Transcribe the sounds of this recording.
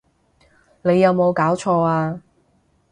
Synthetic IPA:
ne˨˧jːɐ˨˧wmo˨˧wkaː˨˥wt͡ʃʰɔː˧aː˧

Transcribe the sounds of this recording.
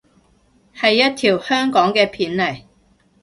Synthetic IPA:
hɐ˨jːɐ˥t̚t̪ʰiː˨˩whœː˥ŋkɔː˨˥ŋkɛː˧pʰiː˨˥nlɐ˨˩j

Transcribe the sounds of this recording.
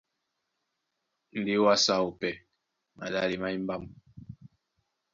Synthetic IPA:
n̩˨di˨˦wa˦sa˦˨o˨pɛ˨ | ma̰˨la˦˨li˨ma˦i˦m̩˦ba˦˨m

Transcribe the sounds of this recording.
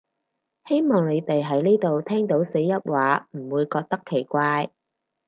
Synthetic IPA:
he˥jmɔː˨ŋne˨˧jt̪e˨jɦɐ˨˥jniː˥jt̪o˨wt̪ʰɛː˥ŋt̪o˨˥wse˨˥jjɐ˥t̚waː˨˥m̩˨˩wuː˨˧jkɔː˧k̚t̪ɐ˥kʰːe˨˩jkʷaː˧j

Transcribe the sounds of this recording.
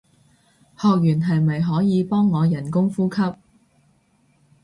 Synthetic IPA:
hɔː˨k̚jyː˨˩nɦɐ˨jmɐ˨˩jɦɔː˨˥jiː˨˧pɔː˥ŋːɔː˨˧jɐ˨˩nkʊ˥ŋfuː˥kʰɐ˥p̚

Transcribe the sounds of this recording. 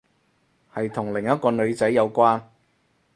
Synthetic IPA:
hɐ˨jt̪ʰʊ˨˩ŋlɪ˨˩ŋjɐ˥t̚kɔː˧nɵ˨˧ɥt͡sɐ˨˥jːɐ˨˧wkʷwaː˥n

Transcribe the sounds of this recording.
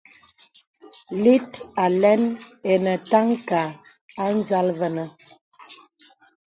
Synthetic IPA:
li˦ta˨lɛ˦nɛ˨nə˨ta˦ŋka˨ | a˦n̩˦za˦lvə˨nə˨

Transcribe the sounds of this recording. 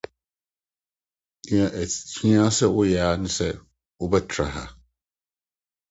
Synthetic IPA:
ni˦a˨ʔæ˨tʰi̥˨tʰĩ˦a˦sɛ˦wʊ˦ja˨a˦nɪ̃˦sɛ˦ | wʊ˦bɛ˦tʰɾa̰˨ɦa̰˨

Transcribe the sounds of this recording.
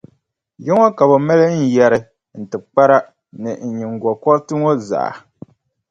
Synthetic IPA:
jɛ˦ŋɔ˦ka˨bo˨mɛ˦lɨ˦n̩˦jɛ˨ɾɨ˨ | n̩˨tɨ˨k͡pa˦ɾa˦ | nɨ˨ɲi˨ŋ˨ɡɔ˨kɔ˦ɾtɨ˦ŋo˦za̰˨a̰˨

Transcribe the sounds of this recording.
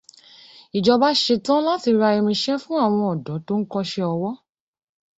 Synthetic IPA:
i˨d͡ʒɔ˧ba˦ʃe˧tã˦la˦ti˧ɾa˧i˧m̃ĩ˧ʃɛ˦fũ˦a˦˨w̃ɔ̃˧ɔ˨dɔ̃˨˦to˦n̩˦kɔ˧ʃe˧ɔ˧wɔ˦

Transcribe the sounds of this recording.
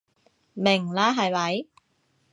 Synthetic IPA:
mɪ˨˩ŋlaː˦˥ɦɐ˨˩jwɐ˨˥j

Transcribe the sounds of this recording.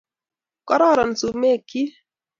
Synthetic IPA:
kɔ˦ɾɔ˦˨ɾɔ˨n̩˨su˨me˦˨ki˦

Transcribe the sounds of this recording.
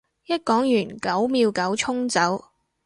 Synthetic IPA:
jɐ˥t̚kɔː˨˥ŋjyː˨˩nkɐ˨˥wmiː˧wkɐ˨˥wt͡ʃʰʊ˥ŋt͡sɐ˨˥w

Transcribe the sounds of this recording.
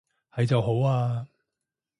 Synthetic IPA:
hɐ˨jt͡sɐ˨wɦo˨˥waː˧

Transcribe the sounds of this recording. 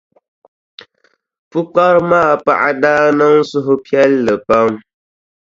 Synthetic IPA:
fu˦k͡pa˦ɾmaː˦˨pa̰˦ʔa˦daː˦nə˦ŋ̩˦su˦ɦʊ˦pi˦ɛ˦lːə˨pa˦m

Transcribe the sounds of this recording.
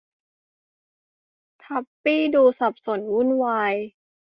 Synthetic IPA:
t̪ʰa˧˦pːiː˥˩duː˧sa˨˩p̚so˨˩˦nwu˥˩˨nwaː˧j

